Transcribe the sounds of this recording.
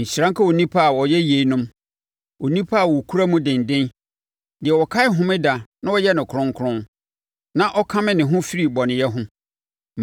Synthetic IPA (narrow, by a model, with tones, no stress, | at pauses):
ɲ̩˨ɕɾã˦ŋ˦kʰa˦wo˨nĩ˦pʰa˦a˨wɔ˨jɛ˦je˨i˦nʊ̃˦m | wo˨nĩ˦pʰa˦a˨wɔ˨kʰu˦ɾa˦mũ˦dɪ̃˨n˨dɪ̃˦n | dɪ˨ɛ˨wɔ˨kʰa˦ɪ˦ɦʊ̃˦mɪ̃˦da˨nã˦wɔ˦jɛ˦nɪ̃˨kʰʊ̃˦ŋ˦kʰʊ˦ɾʊ̃˦n | nã˦ʔɔ˦kʰã˦mɪ̃˦nɪ̃˨ɦʊ̃˦fi˦ɾi˦˨bɔ˨nɪ̃˨jɛ˦ɦʊ̃˦